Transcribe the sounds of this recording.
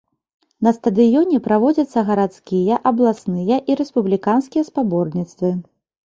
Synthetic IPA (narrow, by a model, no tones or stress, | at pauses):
nɐst̪ɐd̪ɨjɔnʲɛpɾavɔd͡zʲɐt̪sːɐɣɐɾat̪skʲijɐʔɐblˠasnɨjɐʔiɾɛspublʲikanskʲijɐspabɔrnʲit̪st̪vɨ